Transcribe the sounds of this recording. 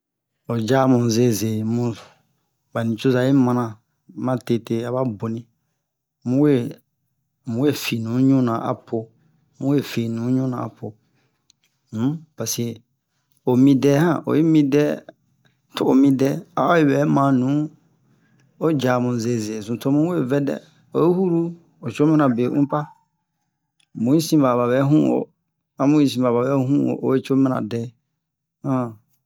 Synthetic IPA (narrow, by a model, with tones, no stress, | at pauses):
o˨d͡ʒa˨˦mũ˨ze˨˦˨ze˨mũ˦˨ | ba˨nĩ˨t͡ʃo˦za˨˦i˦mã˨nã˨ | mã˦te˦˨te˦a˨βa˦bo˨nĩ˦ | mũ˦we˦˨ | mũ˨˦we˦˨fi˨nũ˨˦ɲũ˦nã˨ʔa̰˨pʰo˨ | mũ˦e˦˨fi˨nũ˨˦ɲũ˦nã̰˨a̰˨pʰo˨ | m̩˦pa˨si˨ | o˨mĩ˧dɛ˦hã˦˨ʔo̰˨i˦mĩ˦dɛ˦ | tʰʊ˦o˨mĩ˦dɛ˦a̰˦o˦ɛ˨bɛ˨˦mã˨˦nũ˨˦ | o˦d͡ʒa˨mʊ̃˨ze˨ze˨zũ˨tʰo˦mũ˦e˦˨vɛ˦dɛ̰˦˨ | o˨ji˦hu˦ɾu˦ | o˨t͡ʃo˦mɛ̃˦nã˨be˨ʔṵ̃˦pa˦ | mũ˨˦ĩ˦sĩ˦ba˨ba˨bɛ˨˦ɦũ˦o̰˨ | a˦mũ˦ĩ˦s̬ĩ˨ba˨ba˨bɛ˨˦ɦũ˦o̰˨ʔo̰˨˦e˦t͡ʃo˦mɛ̃˦nã̰˨dɛ˦ | hã˦˨